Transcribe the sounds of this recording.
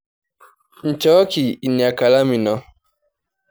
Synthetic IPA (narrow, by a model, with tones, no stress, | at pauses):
n̩˨t͡ʃɔ˦ki˨i˨ni˨a˨ka˨la˦mi˨nɔ˨˦